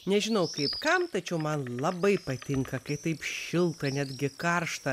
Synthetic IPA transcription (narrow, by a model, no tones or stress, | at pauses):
nʲɛʒʲɪnɐʊkɐɪpkɐmt̪ɐt͡ʃʲɛʊmɐnlˠɐbɐɪpɐt̪ʲɪŋkɐkɐɪt̪ɐɪpʃʲɪlˠt̪ɐnʲæd̪ʲɡʲɪkɐrʃt̪ɐ